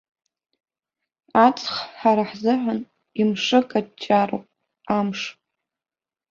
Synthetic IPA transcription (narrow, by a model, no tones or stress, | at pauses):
at͡sʼχħaɾaħzɨħʷan | imʂɨkʼad̚t͡ʃʼːaro̰wpʼ | amʂ